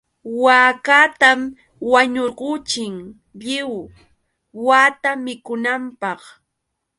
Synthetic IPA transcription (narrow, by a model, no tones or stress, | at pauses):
waːkat̪am | waɲoɾɢʊt͡ʃɪŋ | ʎɪw | waːt̪amɪkʊnampɑχ